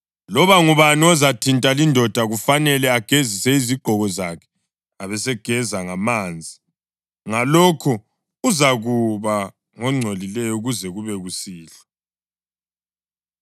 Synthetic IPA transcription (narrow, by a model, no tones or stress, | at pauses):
lɔβaŋuβaniɔzatʰintʼalindʱɔd̥ʱaɣufanɛlɛaɡ̥ʱezisɛiziɡ͡ǃʱɔɣɔzakʰɛ̥ | aβɛsɛɡ̥ʱɛzaŋamaːnd͡zʱi | ŋalɔkʰɔ | uzaɣuβa | ŋɔŋ͡ǀʱolilɛjɔuɣuzɛɣuβɛɣusiːɬḁ